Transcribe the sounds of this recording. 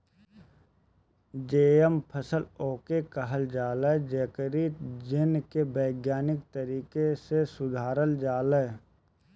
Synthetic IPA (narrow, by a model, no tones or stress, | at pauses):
d͡ʒeːəmpʰəsəloːkekəɦəld͡ʒaːləd͡ʒeːkəɾiːd͡ʒɪnkebəɪɡjaːnɪk̚t̪əɾiːkesesʊd̪ʱaːɾəld͡ʒaːləː